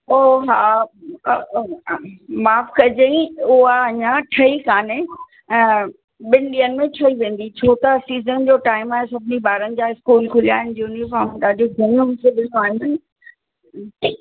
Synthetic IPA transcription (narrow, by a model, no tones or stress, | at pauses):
oːɦaː | maːfkɐd͡ʑeĩʊɦaɐɲãʈʰɐikaːnẽ | ɓɪnɪɗiːənɪ̆mẽʈʰɐiʋẽːn̆d̪it͡ɕʰoːt̪ɐsiːzənd͡ʑoːʈaːɪmaːɦẽsɐbʱɪniɓaːɾənɪ̆d͡ʑaːɪskuːlkʰʊlija̰ːɦɪnɪ̆d͡ʑuːnifaːɾmtaːdoɡʱʊnʊmkʰeɗɪ̃noaːɦɪn | ʈɪ